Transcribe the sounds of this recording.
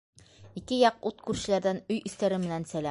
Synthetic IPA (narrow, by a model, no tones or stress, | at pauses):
ikɘjɑq̚ut̪kʉɾʃɘ̆læɾd̪ænɵjɵ̆st̪æɾɘmɘ̆nænsælæ